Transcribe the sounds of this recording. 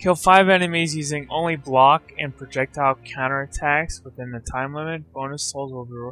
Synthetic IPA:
kʰɪlˠfaɪvɛnɨmezjʉzɪ̃ŋʔõ̰ʊ̃nliblɑkɨ̃npʰɹ̥ɨd͡ʒɛk̚taʊt̚kʰãʊ̃nə˞ɨtʰækswəθɪ̃nðɨtʰãɪ̃mlɛmɨt̚b̥õʊ̃nɨsoʊlˠzwəbu

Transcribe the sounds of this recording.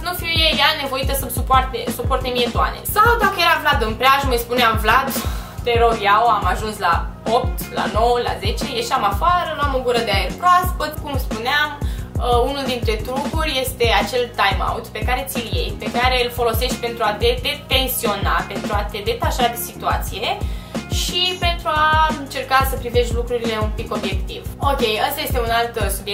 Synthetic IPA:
nufiujejane̞vo̞it̪əsəmsupoart̪esupo̞rt̪emiet̪ua̰nḛsawd̪akəje̞ɾavlad̪ɨnpɾeaʒməjspuneamvlad̪t̪eɾorjawamaʒunslao̞p̚t̪la̰no̞wəla̰ze̞t͡ʃe̞je̞ʃiamafaɾənuamoɡuɾəd̪eaerkaspət̪kumspuneaməunuld̪int̪ɾe̞t̪ɾukurʲje̞st̪e̞at͡ʃe̞lt̪ajma̰wt̪pe̞kaɾe̞t̪silje̞̰jpe̞kaɾe̞ɨlfo̞lo̞se̞ʃt̪̚ʲpe̞nt̪ɾuat̪e̞t̪et̪e̞nsio̞nape̞nt̪ɾuat̪e̞d̪e̞t̪aʃad̪esit̪uat̪sije̞ʃipe̞nt̪ɾuaɨnt͡ʃe̞rkasəpɾive̞ʃt̪ʲlukɾuɾile̞umpiko̞bje̞kt̪ivo̞kʲe̞jast̪aje̞st̪e̞unalt̪st̪ud̪ie

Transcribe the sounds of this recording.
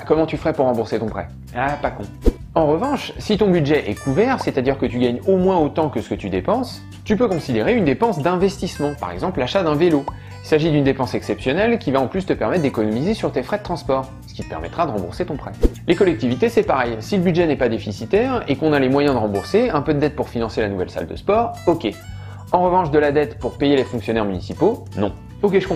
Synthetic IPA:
kɔmɑ̃t̪yfəʁɛpuʁːɑ̃buʁset̪ɔ̃pχɛ̰ | apakɔ̃ | ɑ̃ʁəvɑ̃ʃsit̪ɔ̃byd̪ʒɛʔɛkʰuvɛʁset̪ad̪iʁkət̪yɡaɲomwɛ̃ot̪ɑ̃kəsə̥kət̪yd̪epɑ̃s | t̪ypøkɔ̃sid̪eʁeynd̪epɑ̃sd̪ɛ̃vɛst̪ismɑ̃pa̰ʁɛ̰ɡzɑ̃plaʃad̪ɛ̃velo | ilsaʒid̪ynd̪epɑ̃sɛksɛpsjɔnɛlkʲivaɑ̃plyst̪əpɛʁmɛt̪̚ːd̪ekɔnɔmizesyʁt̪efχɛd̪ət̪χɑ̃spɔʁ | sə̥kʲi̥t̪ə̥pɛ̰ʁmɛ̰t̪χad̪əʁɑ̃bṵʁset̪ɔ̃pχɛlekɔlɛk̚t̪ivit̪esɛpaʁɛjsiləbyd̪ʒɛnɛpad̪efisit̪ɛʁekɔ̃nalemwajɛ̃d̪əʁɑ̃buʁseɛ̃pød̪əd̪ɛt̪̚puʁfinɑ̃selanuvɛ̰lsa̰ld̪ə̰spɔʁokʲe | ɑ̃ʁəvɑ̃ʃd̪əlad̪ɛt̪puʁpejelefɔ̃ksjɔnɛʁmynisiponɔ̰̃ | ok̬ʲeʒəkɔ̃

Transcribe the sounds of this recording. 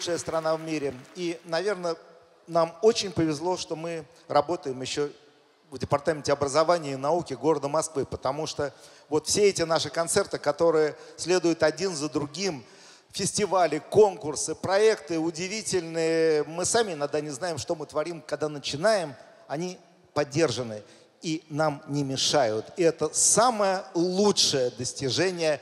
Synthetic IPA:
ʂɨjəst̪ɾɐnavmʲiɾʲɪinɐvʲe̞rnə | namot͡ɕɪnʲpəvʲɪzlˠo̞ʂt̪o̞mɨ | rɐbo̞t̪əjɪmjɪɕːo | vdʲɪpɐrt̪amʲɪntʲɪɐbɾəzɐvanʲɪɪnɐukʲɪɡo̞ɾəd̪əmɐskvɨpət̪ɐmuʂt̪o | vot̪fsʲeɛtʲɪnaʂɨkɐnt̪sɛrt̪ɨkɐt̪o̞ɾɨjəsʲlʲe̞d̪ʊjʊt̪ɐdʲinzəd̪ɾʊɡʲim | fʲɪsʲtʲɪvalʲɪko̞nkʊrsɨpɾɐɛkt̪ɨʊdʲɪvʲitʲɪlʲnɨjəmɨsamʲɪɪnɐɡ̚d̪anʲɪznajɪmʂt̪o̞mɨt̪vɐɾʲimkɐɡ̚d̪anət͡ɕɪnajɪm | ɐnʲi | pɐdʲːe̞rʐɨnɨ | inamnʲɪmʲɪʂajʊt̪ɪɛt̪əsaməjəlˠutʂəjəd̪əsʲtʲɪʐɛnʲɪjə

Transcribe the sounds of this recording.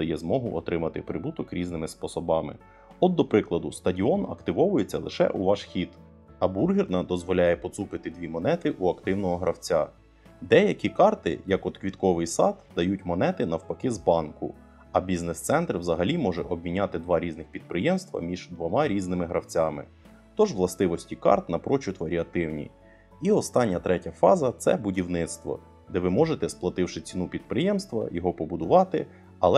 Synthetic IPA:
ɔjɛzmɔɦʊʔɔt̪ɾɪmɐt̪ɪpɾɪbut̪ɔkɾʲiznɪmɪspɔsɔbɑmɪ̰ | ɔd̪ːɔpɾɪklˠɐd̪ʊst̪ɐdʲiɔnɐ̰kt̪ɪʋɔʋʊjet͡sʲːɐlˠɪ̰ʃɛ̰ʔuʋɑʃxʲid̪ | ɐburɦʲirnɐd̪ɔzʋɔlʲajɛpɔt̪supɪt̪ɪd̪ʲʋʲimɔnɛt̪ɪʔuɐkt̪ɪwnɔɦɔɦɾʔɐwt͡sʲa | d̪ɛjɐkʲikɑrt̪ɪ̰jɐkɔt̪kʋʲit̪kɔʋɪjsɑd̪d̪ɐjutʲmɔnɛt̪ɪnɐwpɐkɪzbɑnkʊ̰ | ɐbʲiznest̪sɛnt̪rwzɐɦɐlʲimɔʒɛʔɔb̚mʲinʲɑt̪ɪd̪ʋɑɾʲiznɪxpʲid̪̚pɾɪjɛmst̪ʋɐ̰mʲiʒd̪ʋɔmɑɾʲiznɪmɪɦɾɐwt͡sʲɑmɪ̰ | t̪ɔʒʋlˠɐst̪ɪʋɔsʲtʲikɑ̰rt̪nɐpɾɔt͡ʃʊt̪ʋɐɾʲiɐt̪ɪwnʲḭ | iɔst̪ɑnʲːɐt̪ɾɛtʲɐfɑzɐt̪sɛbʊdʲiwnɪt̪st̪ʋɔ̰ | d̪ɛʋɪmɔʒet̪ɛsplˠɐt̪ɪwʃɪt͡sʲinupʲid̪̚pɾɪjɛmst̪ʋɐ̰jɔɦɔpɔbʊd̪ʊʋɑt̪ɪ | ɐlˠɛ

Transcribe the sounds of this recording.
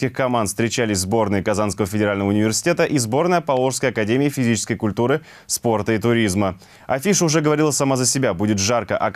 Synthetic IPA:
kʲɪxkɐmanfst̪ɾʲɪt͡ɕælʲɪsʲzbo̞rnɨjɪkɐzanskəvəfʲɪdʲɪɾalʲnəvəʊnʲɪvʲɪrsʲɪ̥tʲet̪əʔizbo̞rnəjəpɐlˠo̞ʂskəjɐkɐdʲemʲɪːfʲɪzʲit͡ɕɪskəjkʊlʲt̪uɾɨ | spo̞rt̪əit̪ʊɾʲizmə | ɐfʲiʂəʊʐɛɡəvɐɾʲilˠəsɐmazəsʲɪbʲabudʲɪt̪ʐarkəʔɐ

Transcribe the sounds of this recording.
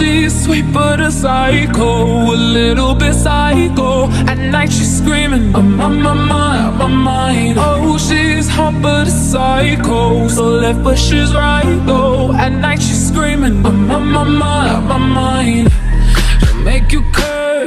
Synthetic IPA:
ʃi | z̥swip̚fəɾɨsaɪɨɡo | əlɪɾl̩ˠbɪtsaɨko | ɨ̃nnaɪtʃi̥skɹĩmɪ̃ŋ | mam̚ | mamãɪ̃no | ʃi | z̥hʌ̃mbəɾsaɨkoʊ | soʊlɛt̚bʌʃɪzɹaɪ | ɡoʊ | ɨ̃nnːaɪtʃiz̥skɹĩmɪ̃ŋ | mama | maɪmãɪ̃n | meɪkjɨkʰɜ

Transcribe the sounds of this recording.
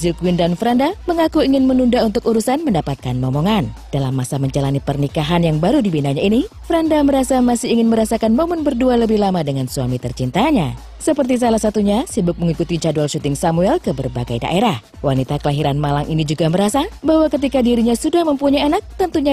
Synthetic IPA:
zukwindanfɾandaməŋakuiŋɪnmənundaunt̪ʊkuɾusanməndapat̪̚kanmɔmoŋand̥alamːasaməɲd͡ʒalanipərnikaɦanjaŋbaɾudibinaɲainifɾandaməɾasamasɪhiŋɪnməɾasakanmomʊnbərdualəbɪhlamadəŋansuamit̪ərt͡ʃint̪aɲa | səpərt̪is̬alahsat̪uɲasibʊk̚məŋikut̪it͡ʃadualʃut̪ɪŋsamuɛlkəbərbaɡa̰jda̰ʔeɾah | wanit̪akəlaɦiɾanmalaŋʔinid͡ʒuɡaməɾasabahwakət̪ikadiɾiɲasudahməmpuɲajanak̚t̪ənt̪uɲa

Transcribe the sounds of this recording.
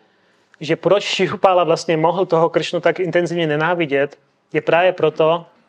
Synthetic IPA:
ʒɛpɾɔt͡ʃʃiɦupalaʋlast̪ɲɛmɔɦl̩t̪ɔɦɔkr̩ʃnut̪aɡint̪ɛnziːʊɲɛɲɛnaːʋiɟɛc̪ | jɛpɾaːʋɛpɾɔt̪ɔ

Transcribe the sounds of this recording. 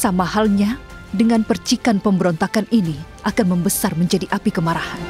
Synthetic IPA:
samahalɲa | dəŋanpərt͡ʃikanpəmbəɾɔnt̪akaniniʔakanməmbəsarməɲd͡ʒadiʔapikəmaɾahan

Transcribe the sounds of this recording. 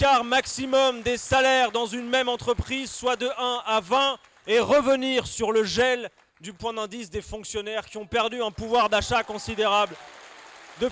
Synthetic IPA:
kaʁmaksimɔmd̪esalɛʁd̪ɑ̃zynmɛmɑ̃t̪χəpχizswad̪əʔɛ̃avɛ̃ | eʁəvəniʁsyʁləʒɛl | d̪ypwɛ̃d̪ɛ̃d̪isd̪efɔ̃ksjɔnɛʁkʲiɔ̃pɛʁd̪yɛ̃puvwaʁd̪aʃakɔ̃sid̪eʁabl | d̪ə

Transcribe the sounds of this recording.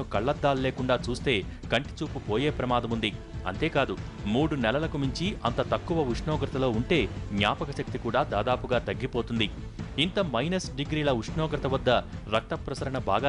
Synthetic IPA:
ukɐɭːɐd̪ːaːlle̞ːkuɳɖaːt͡ʃuːst̪e̞ː | kɐɳʈi̥t͡ʃuːpupoːje̞ːpɾɐmaːd̪ɐmund̪i | ɐ̰nt̪e̞ːkaːd̪umuːɽunɛlɐlɐkumiɲt͡ʃiɐ̰nt̪ɐt̪ɐkːuʋɐuʂɳɔːɡɾɐt̪ɐlo̞ːuɳʈe̞ːɡɲaːpɐkɐʃɐk̚t̪ikuːɽaːd̪aːd̪aːpuɡaːt̪ɐɡːipo̞ːt̪und̪i | int̪ɐmɐjnɐsɖiɡɾiːlɐuʂɳɔːɡɾɐt̪ɐʋɐd̪ːɐɾɐk̚t̪ɐpɾɐsɐɾɐɳɐbʱa̰ːɡaː

